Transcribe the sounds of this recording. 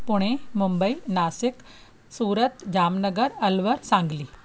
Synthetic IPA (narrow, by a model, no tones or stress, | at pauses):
pʊɽ̃ẽmʊmbəiːnaːsɪk | suːɾət̪d͡ʑaːmnəɡəɾɐlʋəɾsãːŋɡliː